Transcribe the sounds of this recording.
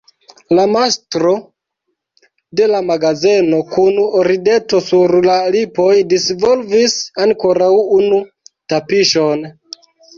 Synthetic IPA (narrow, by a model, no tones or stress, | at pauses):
lamastɾo̞ | de̞lamaɡaze̞no̞kunoɾide̞to̞suɾlalipo̞jdisvo̞lvisaŋkoɾawunu | tapiʃo̞n